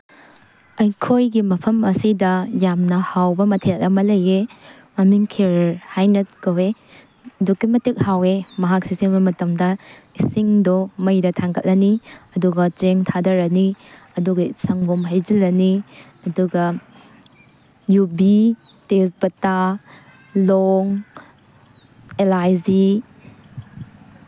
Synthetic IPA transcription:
ɐjkʰojɡimɐpʰɐmɐsidɐjamnɐhawbɐmɐtʰelɐmɐlɐje | ɐmiŋkʰeɾhajnɐt̚kɐwe | dukːimɐtik̚hawemɐɦak̚sisibɐmɐtɐmdɐ | isiŋdomɐjɾɐtʰaŋkʰɐt̚lʔɐniɐduɡɐt͡ʃeŋtʰadɐɾɐniɐduɡɐsɐŋɡomɦajd͡ʒɐlːɐni | ɐduɡɐ | jubi | tesbɐta | loŋ | elajzi

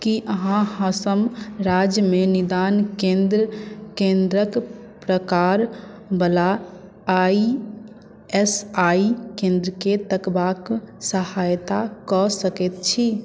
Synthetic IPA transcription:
kiʔəɦãhãsəmɾad͡ʒjəmenid̪ankẽnd̪ɾkẽnd̪ɾək | pɾəkaɾ | bəla | i | esaikẽnd̪ɾəket̪əkbaksəhajt̪akɔsəkɛt̪̚t͡ʃʰi

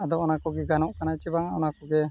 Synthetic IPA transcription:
ad̪ɔɔnakɔɡɛɡanɔʔkanat͡ʃɛbaŋaɔnakɔɡɛ

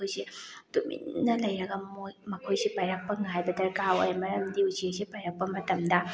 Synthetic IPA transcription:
ojsidumḭnːɐlɐjɾɐɡɐmojmɐkʰojsipajɾɐk̚pɐŋajbɐdɐɾkawa̰jmɐɾɐmdiuziesipajɾɐk̚pɐmɐtɐmdɐ

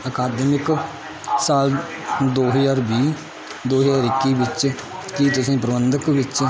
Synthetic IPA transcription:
əkaːd̪imɪk | saːl | d̪oːɦəd͡ʒaːɾbiː | d̪oːɦəd͡ʒaːɾɪkːiːbɪt͡ʃ | kit̪ʊsĩːpɾəbənd̪əkʋɪt͡ʃ

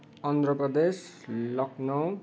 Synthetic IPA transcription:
ʌnd̪rʌprʌd̪eslʌknʌw

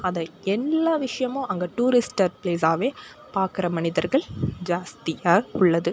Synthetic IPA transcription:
ɐðɐɛlːaːʋɪʂɐjɐmõːʔɐŋɡɐʈuːɾɪsʈːɐɾpleːs̬aːʋeː | paːɾkɪɾɐmɐnɪðɐɾɣɐɭd͡ʒaːst̪ɪjaːɐʊɭːɐðɯ

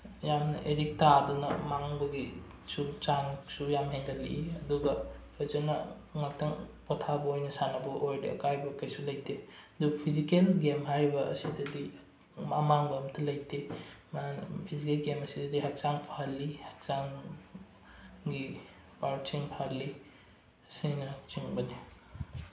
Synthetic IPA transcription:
jamnɐ̰ʔeɾik̚tadunɐmaŋbɐɡi | sut͡ʃaŋsujamɦeŋdɐlḭʔiɐduɡɐpʰezenɐ | ŋɐtʰɐŋpɔtʰabɐojnɐsanɐbɐʔojdɐ̰ɐ̰kajbɐkɐjsulɐjtʰeɐdupʰizikelɡemɦajbɐʔɐ̰sidɐdi | mamaŋbɐmtʰɐlɐjtʰempʰizikelɡemɐsidɐdiɦak̚t͡ʃaŋpʰaalːihak̚saŋ | ɡi | paɾt͡ʃiŋpʰalːi | sinɐt͡ʃiŋbɐni

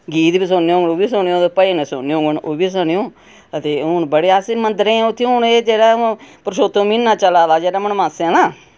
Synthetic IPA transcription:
ɡiːt̪biːs̬ʊneõːɡnoːbiːsʊɳjõːt̪eːpəinẽːsʊnejõːɡəɳʔoːbiːs̬ʊɳejõː | ət̪eːʊnbəɽeːaːsimənd̪ɾẽːʊt̪ʰːĩʊneːd͡ʒeːɽaːpɾəʃoːt̪ːõːmiːnːãːt͡ʃəlaːlaːd͡ʒeːɽaːməɳmãːsãːlaː

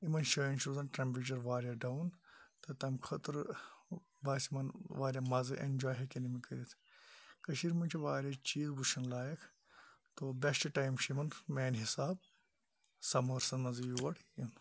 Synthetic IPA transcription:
imɐnʃɐːjint͡ʃʰɾuzɐnʈɾɐmpit͡ʃɐɾʋaːɾjaːɖɐwnt̪ɐt̪ɐmkʰɐt̪ɨɾ | baːsimɐnʋaːɾʲjamɐzɨʔḛnʲd͡ʒaːjɦɐkʲɐnimikɐɾʲit̪ʰ | kɐʃiɾmɐnt͡ʃʰiʋaːɾʲaːt͡ʃiːzbuʃɐnlaːjɐkʰ | t̪obʲesʈʈajmʃimɐnmeːnɦisaːb | sɐmɐɾsɐnmɐzjuʋɐɽim

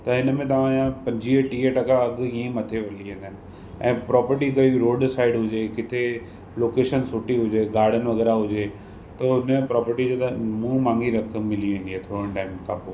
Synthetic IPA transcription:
t̪ɐɪnmẽt̪ɐʋ̤ããpɐ̃ɲd͡ʑʱiəʈiːəʈɐkaɐɠiẽmɐt̪ʰeʋɐliɦẽːnd̪ʱənɪ̆ | ɛ̃ːpɾɔːpəɾʈikɐiɾoːɖsaːɪɖɦʊd͡ʑekɪt̪ʰe | loːkeːʃənsʊʈiɦʊd͡ʑeɡaːɾɖənʋɐɣɛːɾaɦʊd͡ʑe | t̪ɐʊnẽpɾɔːpəɾʈid͡ʑot̪ɐmũmãːŋɡiɾɐkəmːɪliʋẽːndieːt̪ʰoːɾə̃nʈaːɪmkãpo

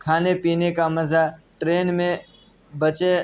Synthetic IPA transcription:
kʰaːnepiːnekamɐzaʈɾeːnmẽ | bət͡ʃe

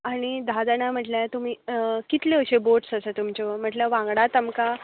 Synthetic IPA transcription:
aɽ̃id̪ʱad̪anam̤əʈljat̪um̤iːkit̪leəɕeboʈsəsət̪umt͡ɕom̤əʈləʋãŋɡɽat̪əmka

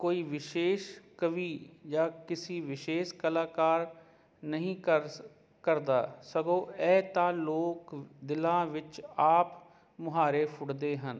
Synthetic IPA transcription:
koːiːʋɪʃeːʃkəʋiːjaːkɪsiːʋɪʃeːʃkəlaːkaːɾ | nəɦĩːə | kəɾd̪aːsəɡõːɛːt̪ãːloːkd̪ɪlãːʋɪt͡ʃaːp | mʊɦaːɾeːpʰʊɽd̪eːɦən

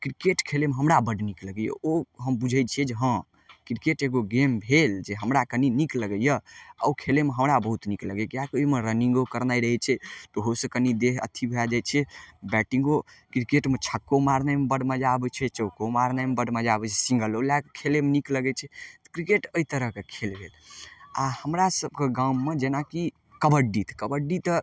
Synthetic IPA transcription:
kɾikeʈkʰelemeɦəmɾabəɖnikləɡəjə̰oɦəmbud͡ʒʱət͡ʃʰiɛd͡ʒeɦə̃ | kɾikeʈeɡoɡembʱeld͡ʒeɦəmɾakəninikləɡəjəa̰ukʰelemeɦəmɾabəɦut̪nikləɡɛkjakoimeɾəniŋɡokəɾnajɾəɦɛt͡ʃʰɛʈoɦosẽkənid̪eɦə̰t̪ʰibʱead͡ʒajt͡ʃʰɛbɛʈĩŋɡokɾikeʈmet͡ʃʰəkːomaɾnamebəɽmãd͡ʒabɛt͡ʃʰɛt͡ʃəwkomaɾnamebəɽʱmad͡ʒabɛt͡ʃʰɛ̥sĩŋɡəlolakkʰelemenikləɡɛt͡ʃʰɛt̪kɾikeʈəit̪əɾəɦkekʰelbʱet̪ahəmɾasəb̚keɡãuːed͡ʒenaki | kəbəɖit̪kəbəɖit̪ə

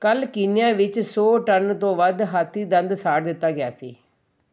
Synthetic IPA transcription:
kəlkɪnɪjãːʋɪt͡ʃsoːʈənt̪õːʋəd̪ɦaːt̪ʰːiːd̪ə̃nd̪saːʈd̪ɪt̪ːaːɡɪjaːsiː

